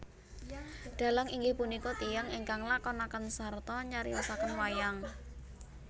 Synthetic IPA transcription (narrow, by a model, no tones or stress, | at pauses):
ɖ̪̥a̤laŋiŋɡɪhpunikɔt̪ijaŋiŋkaŋlakɔnakənsart̪ɔɲaɾḭɔsakənwajaŋ